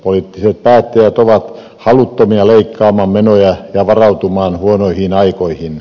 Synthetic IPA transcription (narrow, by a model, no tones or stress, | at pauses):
poliˑt̪ːiset̪̚pæːt̪ːejæt̪oʋɑt̪ | hɑlut̪ːomiɑleikːɑːmɑmmenojɑjɑʋɑrɑut̪umɑːnhuonoihiːnɑikoihin